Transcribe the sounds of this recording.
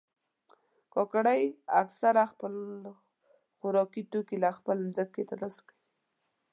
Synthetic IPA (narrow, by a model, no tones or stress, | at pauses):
kɔkaɽajaksaɾaxpəl | xʊɾɔkit̪okilaxpəlnzəkːet̪aɾləsḁkawi